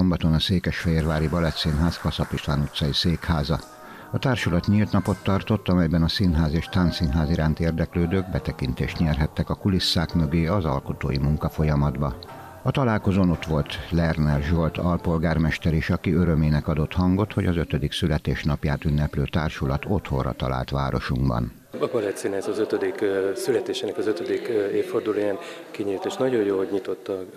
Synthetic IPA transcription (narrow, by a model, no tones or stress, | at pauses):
ombɒt̪o̞nɒseːkɛʃfɛjeːrvaːɾibɒlɛt̪sinɦaːskɒsɒpiʃt̪ʋaːnut̪sɒjiseːkhaːzɒ | ɒt̪aːrʃulɒt̪ɲilt̪nɒpo̞t̪ːɒrt̪o̞t̪ːɒmɛjbɛnɒsinɦaːzeːʃt̪aːnsinɦaːziɾaːnt̪eːrd̪ɛkløːd̪øːɡbɛt̪ɛkint̪ḛːʃt̪ɲɛrɦɛt̪ːɛkɒkulisːaːkmøɡeːɒzɒ̰lkot̪o̰ːjimuŋkɒfo̞jɒmɒd̪bɒ | ɒt̪ɒlaːlko̞zoːno̞t̪ʋo̞lt̪lɛrnɛrʒolt̪ɒlpo̞lɡaːrmɛʃt̪ɛɾiʃɒkiøɾømeːnɛkɒd̪o̞t̪hɒŋɡo̞t̪ho̞ɟɒzøt̪ød̪iksylɛt̪eːʃnɒpjaːt̪ynːɛpløːt̪aːrʃulɒt̪o̞t̪ho̞̰rɒ̰t̪ɒ̰la̰ːlt̪ʋa̰ːɾo̞̰ʃuŋɡbɒ̰n | ɒkɒlɛt̪sinzɒzøt̪ød̪iksylɛt̪eːʃenɛkɒzøt̪ød̪ikeːfːord̪uloːjaːnkiɲit̪eːʃt̪nɒɟojjoːlhoɟɲit̪o̞t̪ːɒ